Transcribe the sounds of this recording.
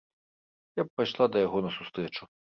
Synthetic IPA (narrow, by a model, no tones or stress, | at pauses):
japːajʂlˠad̪ɐjaɣɔnɐsust̪ɾɛt͡ʂu